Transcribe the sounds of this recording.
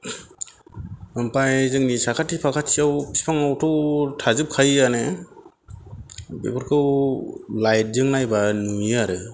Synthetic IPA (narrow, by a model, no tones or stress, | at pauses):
ɯmpajzɯŋnisakʰatːipʰakʰatsiawpʰi̥pʰaŋawtʰɯwtʰazɯp̚kʰajanɯ | bḛbɯɾkʰɯwlajt̚dɯŋnajbanujaɾɯ